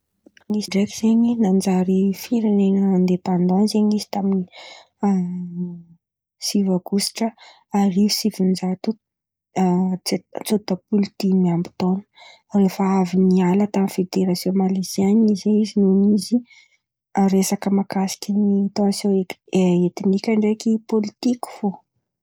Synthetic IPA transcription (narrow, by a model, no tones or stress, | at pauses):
ŋisiɖ͡ʐefiz̥eɲinand͡zaɾifiɾinenəand̪epand̪anzeɲizi̥t̪amini | sivaɡusi̥ʈ͡ʂə | aɾisivund͡ʒat̪u | t͡sut̪apult̪imiambi̥t̪onə̥ | refəavinialət̪amnfed̪eɾasjõmalesianizeizinunizi | aɾesakəmakasi̥kʲinit̪onsoeeet̪inikʲaɳɖ͡ʐekipolit̪ikʲi̥fo